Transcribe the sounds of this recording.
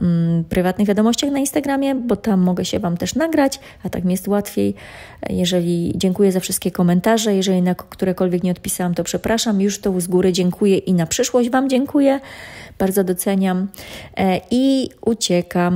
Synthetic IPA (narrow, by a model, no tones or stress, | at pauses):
pɾɘvat̪nɨɣvʲjad̪ɔmɔɕt͡ɕaxnainst̪aɡɾamʲjɛbɔt̪amːɔɡɛɕɛvamt̪ɛʂnaɡɾat͡ɕ | at̪akmijɛst̪wat̪fʲjej | jɛʐɛlʲid͡ʑɛŋkujɛzafʂɘst̪̚kʲɛkɔmɛnt̪aʐɛjɛʐɛlʲinakkt̪uɾɛkɔlvʲɛkɲɛɔt̪̚pʲisawamt̪ɔpʂɛpɾaʂamjuʂt̪ɔzɡuɾɘd͡ʑɛŋkʰujɛʔinapʂɘʂwɔʑd͡ʑvamd͡ʑɛŋkujɛb̥aɾd̪zɔd̪ɔt̪sɛɲam | iut͡ɕɛkam